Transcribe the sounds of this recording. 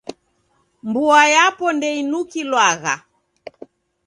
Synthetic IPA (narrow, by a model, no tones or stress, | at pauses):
mbuajapɔndɛinukilwaɣa̰